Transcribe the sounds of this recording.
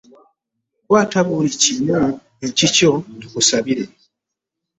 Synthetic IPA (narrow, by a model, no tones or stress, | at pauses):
kwaːtaβulicina | cicokusaβiɾe̞